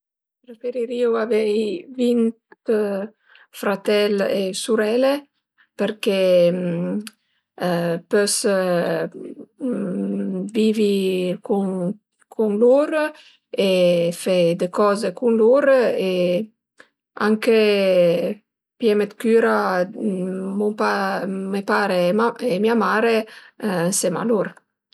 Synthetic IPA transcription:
pɾefeɾiɾiwavɛjvint̪ | fɾat̪ɛlesuɾɛle | peɾkɛ | pøs | vivikun | kʰuŋluɾ | efɛd̪ekɔːzekunluɾe | a̰ŋke | pjɛmet̪kyɾa | mupamepaɾeaemiamaɾe | sema̰luɾ

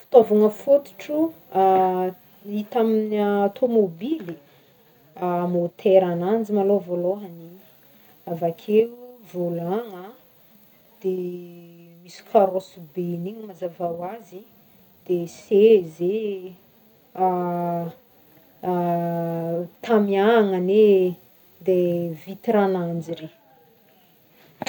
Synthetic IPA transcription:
fu̥t̪ovuŋəfut̪u̥ʈ͡ʂu | a | it̪aminiaat̪ʰomobili | amot̪ʰeɾanand͡zimalovoloɦani | avakʲʰeuvolaŋa | d̪̥e | misi̥kʲʰaɾosubeniɲmazavawazi | d̪̥eseze | a | t̪amiaŋane | d̪evit̪iɾanand͡ziɾe

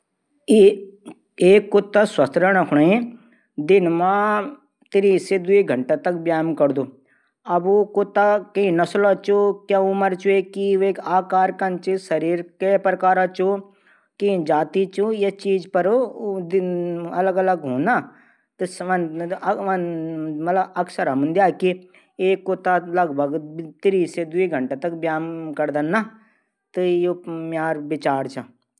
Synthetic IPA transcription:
i | eːkːot̪ːaswɐst̪ʰɾɐɽ̃ɐ̃kʰʊɽaĩ | d̪ɪnmã | t̪iɾised̪uiɡʱɐɳʈat̪ɐk̚bjaːmkɐɾd̪u | ɐbukot̪ːakɐĩnɐslɔt͡ʃukjãumɐɾt͡ʃuekieːkaːkaːɾkɐnt͡ʃisɐɾiːɾkepɾɐkaːɾat͡ʃu | kid͡ʒaːt̪it͡ʃujɐt͡ʃiːd͡ʒpɐɾod̪ɐləɡɐləɡɦona | t̪ɨʋɐnʋɐnmɐt̪ləbɐksəɾɐmənd̪jaːki | eːkːot̪alɐɡbʱɐɡt̪iɾiːsed̪uiɡʱɐ̃ɳʈet̪ɐk̚bjaːmkɐɾd̪ɐnːa | t̪ɨjomjaːɾbɪt͡ʃaːɾt͡ʃʰa

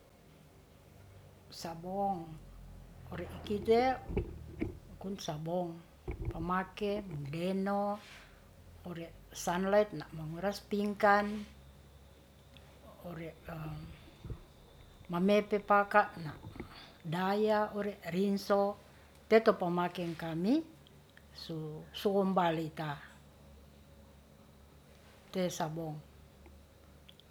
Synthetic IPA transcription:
sabɔŋ | ɔɾɛʔikit̪ɛ | kunsabɔŋ | pamakɛmuŋdɛno | ɔɾɛʔ | sanlait̪̚naʔmaŋuɾaspiŋkan | ɔɾɛʔ | mamepepakaʔnaʔdajaɔɾɛʔrinsɔ | t̪ɛt̪ɔpamakɛŋkami | susuɔmbalit̪a | t̪ɛsabɔŋ

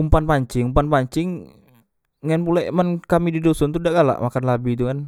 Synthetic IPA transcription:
umpanpaɲt͡ʃɪŋumpanpaɲt͡ʃɪŋ | anpulamankamididɔsɔnt̪udaʔɡala̰ʔmakanlabit̪̬ukan

